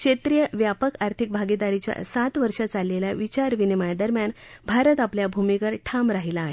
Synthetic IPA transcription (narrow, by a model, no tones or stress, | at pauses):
kʂet̪ɾijəʋjapəkaɾt̪ʰik̚bʱaɡid̪aɾit͡ɕja̰sat̪ʋəɾʂat͡salːeljaʋit͡ɕaɾʋinimajd̪əɾmjanbʱaɾət̪apljabʱumikəɾʈʰamɾaɦilaːɦe